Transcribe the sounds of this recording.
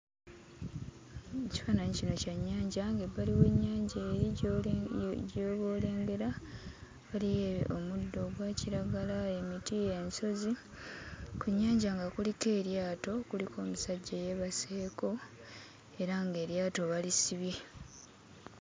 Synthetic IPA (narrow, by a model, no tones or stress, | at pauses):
eci̥faːnaɲicino̞caɲːaːɲɟaŋɡeβaliwe̞ɲːaːɲɟaeːɾi | ɟoːβo̞ːle̞ːmɡe̞ɾa | βalijeomudːo̞ːɡwaːciɾaɡalae̞mitijenso̞zi | kuɲːaːɲɟaŋɡakulike̞ːɾjaːto̞kulikʰo̞ːmusaɟːaje̞βase̞ːko̞ | e̞ɾaŋɡe̞ːɾjaːto̞βalisiβi